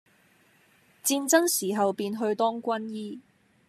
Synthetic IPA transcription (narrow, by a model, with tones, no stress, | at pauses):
t͡siː˧nt͡sɐ˥ŋsiː˨˩ɦɐ˨wpiː˧nɦɵ˧ɥt̪ɔː˥ŋkʷɐ˥njiː˥